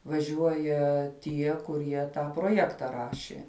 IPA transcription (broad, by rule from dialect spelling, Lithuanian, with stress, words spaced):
ʋɐˈʒʲuɔjɛ ˈtʲiɛ kʊˈrʲiɛ ˈtɑː proːˈjæːktɐ ˈrɑːʃʲeː